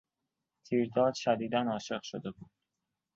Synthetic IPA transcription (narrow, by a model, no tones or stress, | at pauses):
t̪ʰiːɾd̪ɒːd̪̥ʃæd̪iːd̪ænɒːʃe̞ɢʃod̪e̞buːd̪̥